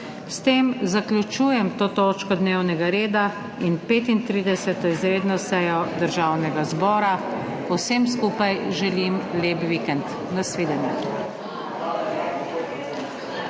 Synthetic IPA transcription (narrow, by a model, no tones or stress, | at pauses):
st̪eːmzakljut͡ʃuːjɛmt̪oːt̪oːt͡ʃkɔd̪newnɛɡaɾeːd̪a | inpeːt̪int̪ɾiːd̪ɛsɛt̪ɔizɾeːd̪nɔsɛːjɔd̪əɾʒaːwnɛɡazbɔːɾa | ɔwsems̬kuːpajʒɛlimleːpʋikɛnt̪ | nasʋeːd̪ɛnjɛ